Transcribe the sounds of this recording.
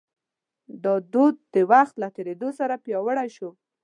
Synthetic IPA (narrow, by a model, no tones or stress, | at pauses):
d̪ɑd̪od̪̚ːəwaxt̪lat̪eɾed̪osaɾapjɑwəɽaʃo